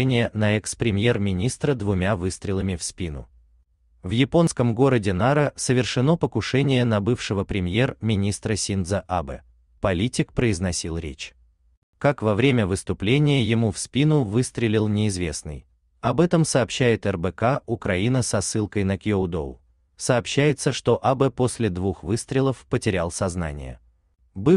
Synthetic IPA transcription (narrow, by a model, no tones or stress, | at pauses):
nʲɪjənəɛkspɾʲɪmʲje̞rmʲɪnʲist̪ɾəd̪vʊmʲavɨst̪ɾʲɪlˠəmʲɪfspʲinʊ̰ | vjɪpo̞nskəmɡo̞ɾədʲɪnaɾəsəvʲɪrʂɨno̞pəkʊʂɛnʲɪjənɐbɨfʂɨvəpɾʲɪmʲje̞rmʲɪnʲist̪ɾəsʲind̪zəʔabɛ̰ | pɐlʲitʲɪkpɾəɪznɐsʲilˠɾʲet͡ɕ | kakvɐvɾʲemʲəvɨst̪ʊplʲenʲɪjəjɪmufspʲinʊvɨst̪ɾʲɪlʲɪlˠnʲɪɪzvʲe̞snɨ̰j | ɐbɛt̪əmsɐːpɕːæjɪt̪ɛrbɛkaʊkɾɐinəsɐsːɨlˠkəjnəkjod̪o̰ | səːpɕːæjɪt̪səʂt̪o̞ʔabɛposʲlʲɪd̪vuxvɨst̪ɾʲɪlˠəfpətʲɪɾʲalˠsɐzna̰nʲɪ̰jə̰ | bɨ